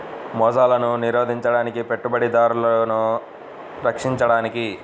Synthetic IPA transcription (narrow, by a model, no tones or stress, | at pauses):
mɔːd͡ʒaːlɐnuniɾoːd̪ʱiɲt͡ʃɐɽaːnikipe̞ʈːubɐɽid̪aːɾulɐnu | ɾɐkʂiɲt͡ʃɐɽaːniki